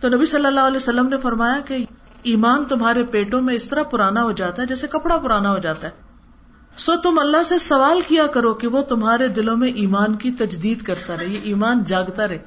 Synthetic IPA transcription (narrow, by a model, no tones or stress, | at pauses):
t̪onɐbisɐlːəlːaːɦʊɐlɛːjosɐlːəmnefɐɾmaːjake | iːmaːnt̪ʊmɦaːɾepeːʈõmẽɪst̪ɐɾapʊɾaːnaɦod͡ʒaːt̪aɦɛd͡ʒɛːsekɐpɽapʊɾaːnaɦod͡ʒaːt̪aɦɛː | sot̪ʊmɐlːaɦsesɐʋaːlkijakɐɾokeʋot̪ʊmɦaːɾed̪ɪlõmẽʔiːmaːnkit̪ɐd͡ʒd̪iːd̪kɐɾt̪aɾɐɦejeʔiːmaːnd͡ʒaːɡt̪aɾɐɦe